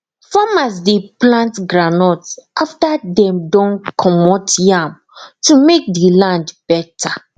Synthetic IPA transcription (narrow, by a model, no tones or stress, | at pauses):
famas̬deplãntɡɹanɔtsaftadɛ̃mdɔ̃nkʰɔmɔtjãm | tumek̚dilãndb̥ɛtʰa